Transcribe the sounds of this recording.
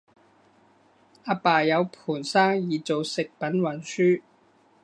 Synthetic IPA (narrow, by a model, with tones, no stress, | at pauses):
aː˧paː˨jɐ˨˧wpʰuː˨˩nsaː˥ŋjiː˨t͡so˨wsɪ˨k̚pɐ˨˥nwɐ˨˩nsyː˥